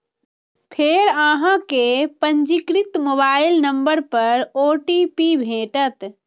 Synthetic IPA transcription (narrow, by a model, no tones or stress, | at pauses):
pʰeːɾaɦãkepəɲd͡ʒikɾit̪mobaːɪlnəmbəɾpəɾoːʈipibʱẽːʈət̪